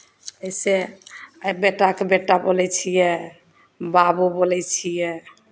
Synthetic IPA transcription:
əjse | beʈːakebeʈːabolɛt͡ʃʰijɛ | babubolɛt͡ʃʰijɛ

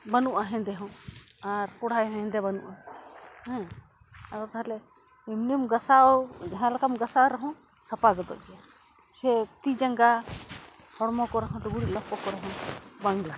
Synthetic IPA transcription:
banuʔaɦɛ̃d̪ɛɦɔ̃aɾkɔɽ̤ajɦɛ̃ɦɛ̃d̪ɛbanṵʔahɛ̃ | akɔt̪aɦlɛ | imniumɡasad͡ʒaɦãlakamɡasaɾaɦɔ̃ | sapaɡɔd̪ɔ̰ʔɡɛja | sɛt̪id͡ʒaŋɡa | hɔɾmɔkɔɾaɦɔ̃luɡuɽit̪̚lapɔkɔɾaɦɔ̃baŋla

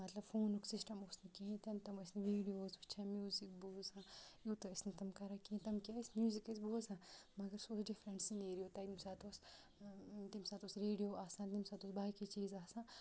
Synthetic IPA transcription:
mɐt̪lɐbfʰoːnuksɪsʈɐmosnekiɦĩt̪ɐnt̪ɐmɐsneʋiːɖijoːsut͡ʃʰamjuːzik̚buːzãːjuːt̪oɐsnet̪ɐmkɐɾakiĩt̪ɐmkʲaːismjuːzikɐsboːzãːmɐɡɐɾsosɖifɾẽɳʈsineːɾioːt̪ɐt̪imsaːt̪oːs | t̪imsaːt̪oːsɾeːɖijoːʔaːsãːt̪imsaːt̪oːsbaːkit͡ʃiːzaːsãː

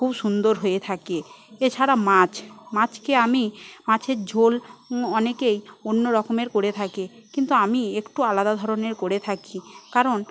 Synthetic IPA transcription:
kʰubʃund̪oɾɦoet̪ʰakeet͡ɕʰaɾamãt͡ɕmãt͡ɕkeamimãt͡ɕʰeɾd͡ʑʱolɔnekejonːoɾɔkomeɾkoɾet̪ʰakekint̪uamiekʈualad̪ad̪ʱɔɾoneɾkoɾet̪ʰakikaɾon

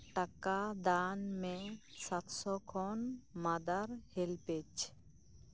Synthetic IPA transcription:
ʈakad̪anmɛ̃sat̪sɔkʰɔnmad̪aɾhelpet͡ʃ

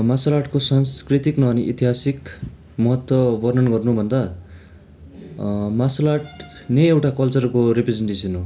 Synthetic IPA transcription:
masolaʈkosanskrit̪iknʌʌniʔit̪iɦasik | mʌɦʌt̪wʌbʌrnʌnɡʌrnubʱʌnd̪a | masolaʈnʌjewʈakʌlt͡sʌrkoɾipred͡zeɳʈesʌnɦo

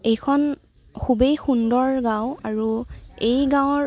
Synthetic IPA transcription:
ejkʰɔn | kʰubejxundɔɹɡãʊaɹuejɡãw̃ɔ

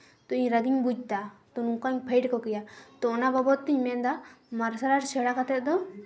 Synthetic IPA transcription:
t̪ɔiɲɾaɡiɲbud͡ʒ̚t̪at̪ɔnuŋkaɲpʰejʈkɔkɛjat̪ɔɔnababɔt̪ːiɲmɛnd̪amaɾsaɾaɾsɛɽakat̪ɛt̪̚d̪ɔ

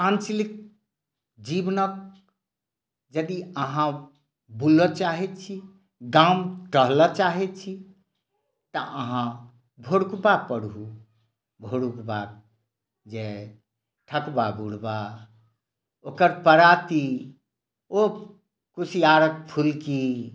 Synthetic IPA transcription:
ãnt͡ʃlik̚ | d͡ʒibnək̚ | d͡ʒəd̪iəɦã | bulət͡ʃaɦɛt̪̚t͡ʃʰi | ɡãũʈəɦlət͡ʃaɦɛt̪̚t͡ʃʰi | t̪əʔəɦã | bʱoɽukbak̚pəɽɦu | bʱoɽukbak̪̚ | d͡ʒe | ʈʰəkbabuɽba | okəɾpəɾat̪i | o | kusʰiaɾək̚pʰulki

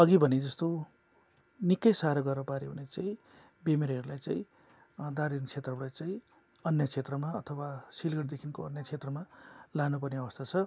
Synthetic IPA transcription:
ʌɡibʱʌned͡zʌst̪o | nikːʌjsaɾʌɡʌrnʌpaɾeɦṵnet͡saĩ | bemeɾɦʌɾulajt͡saĩ | d̪aɾint͡sʰet̪rʌɦuɽajt͡saĩ | ʌnjʌt͡sʰet̪rʌmaʌt̪ʰʌwasilɡʌɽd̪ekʰinkoʌnjʌt͡sʰet̪rʌmalanup̬ʌrneʌbʌst̪ʰat͡sʰʌ

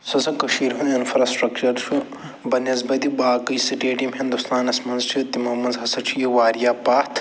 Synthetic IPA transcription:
sɐsɐkɐʃiːɾɦuninfɾaːsʈɾɐkt͡ʃɐɾt͡ʃʰu | bɐnɐzbɐt̪ibaːkɐjsiʈeːʈimɦind̪ust̪aːnɐsmɐnzt͡ʃʰit̪imɐmɐnzɦɐsɐt͡ʃʰijiʋaːɾijaːpaːt̪ʰ

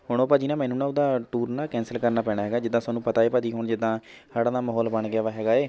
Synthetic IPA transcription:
ɦoːɽ̃õːpad͡ʒɪnaːmɛːnũːnãːʊd̪aːʈuːɾnaːkɛ̃ːnsəlkəɾnaːpɛ̃ːɽaːɦɛːɡaːd͡ʒɪd̪ːãːsʊaːnũːpət̪aːeːpəd̪iːɦoːɳd͡ʒɪd̪ːãː | saːɽãːd̪aːməɦɔːlbəɳɡɪaːʋaːɦɛːɡaːeː

